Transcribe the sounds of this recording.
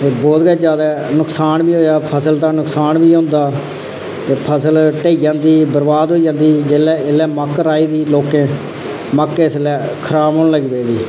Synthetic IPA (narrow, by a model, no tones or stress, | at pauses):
t̪eːbɔːt̪ɡɛːd͡ʒjaːd̪aːnʊksaːnbiːɦoːjaːpʰəsəld̪aːnʊksaːnbiːɦõːnd̪aː | t̪eːpʰəsəlʈeːiːd͡ʒãːnd̪iːbəɾbaːd̪ɦoːiːd͡ʒãːnd̪iːd͡ʒeːlɛːɪlɛːməkɾaːiːd̪iːloːkẽː | məkːeslɛːkʰəɾaːmɦoːnləɡbeːd̪iː